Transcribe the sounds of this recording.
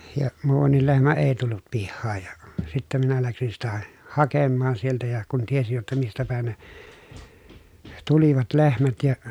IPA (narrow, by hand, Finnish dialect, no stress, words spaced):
jɑ muːʋɑnːil lehmæ eˑi̯ tulːut pihːɑːj jɑ sitːæ minæ læksin sitæ hɑkemːɑːn sieltæ jɑ kun tiesij jotːɑ mistæ pæˑi̯n ne tuliʋɑt lehmæt jɑ